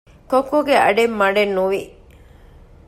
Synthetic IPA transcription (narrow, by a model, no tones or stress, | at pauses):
kokːuɡeɐ̰ɖemːɐɖenːuʋi